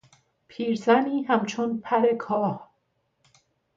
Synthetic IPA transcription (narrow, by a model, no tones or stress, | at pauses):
pʰiːɾzæniːɦæmt͡ʃʰonpʰæɾe̞kʰɒːh